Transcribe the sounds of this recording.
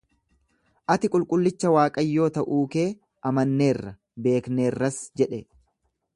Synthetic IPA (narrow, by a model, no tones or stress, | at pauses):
ʔɐt̪ɪkʼʊlkʼʊlːɪt͡ʃːɐwaːkʼɐjːo̞ːt̪ɐʔuːke̞ː | ɐmɐnːe̞ːrːɐ | be̞ːkneːrːɐsd͡ʒɛᶑɛ